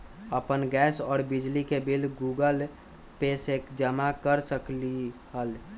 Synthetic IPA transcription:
əpənɡɛːsɔːɾbid͡ʒlikebilɡuɡəl | pesekd͡ʒəmakəɾsəkliɦəl

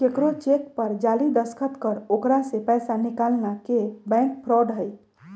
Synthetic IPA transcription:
kekɾot͡ʃekpəɾd͡ʒalid̪əskʰət̪kəɾokɾasepəjsanikalnakebɛ̃ŋk̚pʰɾɔɖɦəj

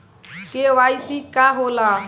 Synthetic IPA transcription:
keʋaːisikaːɦolaː

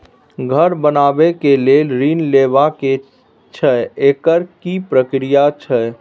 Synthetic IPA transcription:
ɡʱəɾbənabekelelɾinleʋake | t͡ʃʰəekəɾkipɾəkɾijat͡ʃʰə

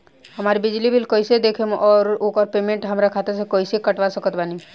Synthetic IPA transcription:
ɦəmaːɾibɪd͡ʒlibʱilkoːised̪eːkʰemʔɔːɾoːkɔɾpeːmẽɳʈɦəmɾakʰaːt̪es̬ekoːisekəʈʋasəkət̪baːni

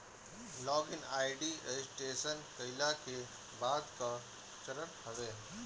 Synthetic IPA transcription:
lɔːɡɪnaːɪɖiesʈeːsənkəɪlake | baːd̪ka | t͡ʃəɾəʈhɐʋeː

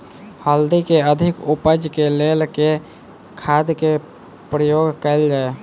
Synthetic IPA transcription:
həld̪ikeəd̪ʱikupəd͡ʒkelelke | kʰad̪ke | pɾəjoɡkəld͡ʒae

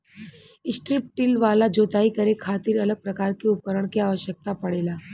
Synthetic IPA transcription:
ɪsʈɾɪp̚ʈːɪlʋaːlad͡ʒoːt̪aːikɐɾekʰaːt̪ɪɾɐləɡ̚pɾɐkaːɾkeʊp̚kəɾəɽ̃kiaːʋəʃjək̚t̪apɐɽeːlaː

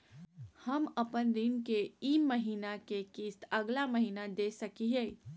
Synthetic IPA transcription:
hɐmɐpənd̪ɪnkeiːmːəɦiːnakekiːst̪ɐɡlaməɦiːnad̪eːsəkiɦɛː

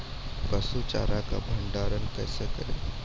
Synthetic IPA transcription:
kəsut͡ʃa̰ːɾaka̰bʱəɳɖaːɾənkɛːsekəɾḛ

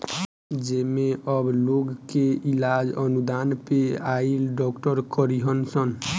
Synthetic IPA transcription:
d͡ʒemeʔɔbloɡkeilad͡ʒənud̪anpeailɖɔkʈɔɾkɔɾiɦɔnsən

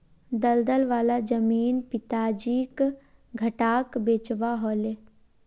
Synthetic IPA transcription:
d̪əld̪əlʋaːlad͡ʒəmiːnpɪt̪aːd͡ʒiːk | ɡʱɐʈaːkbeːt͡ʃʋaɦɔːleː

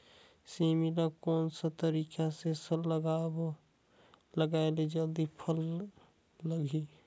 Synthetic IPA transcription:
similakoːnsət̪əɾiːkasesəlːəɡab | ləɡaeled͡ʒəld̪ipʰəlː | əɡi

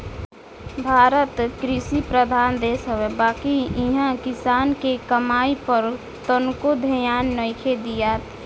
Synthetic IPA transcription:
bʱaːɾət̪kɾɪsipɾəd̪ʱaːnd̪eːsɦəwebaːkiɪɦãkɪsaːnkekəmaːipəɾ | t̪ənkod̪ʱəjaːnːəɪkʰed̪ijaːt̪

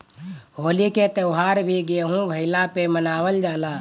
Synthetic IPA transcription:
ɦoːliket̪əʊɦaːɾbʱiɡeɦũbʱəɪlapemənaːwəld͡ʒaːlaː

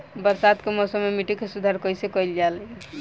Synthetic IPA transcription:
bəɾsad̪kemɔsəmːemiʈikesud̪ʱaɾkəjsekəjld͡ʒalɛ

